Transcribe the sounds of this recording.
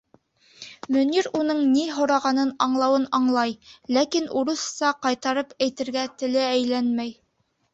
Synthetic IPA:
mɵ̆niɾunɤɴniɦŏɾɑʁɑnɤnɑɴlˠɑwɤnɑɴlˠɑjlækinuɾɤ̆sːɑqɑjt̪ɑɾɤpæjt̪ɘ̆ɾɡæt̪ɘ̆lɘæjlænmæj

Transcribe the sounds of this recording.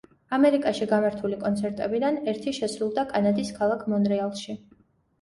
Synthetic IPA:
amɛɾikʼaʃiɡamaɾt̪ʰulikʼɔnt̪sʰɛɾt̪ʼɛbid̪anɛɾt̪ʰiʃɛsɾulˠd̪akʼanad̪iskʰalˠakʰmɔnɾɛalˠʃi

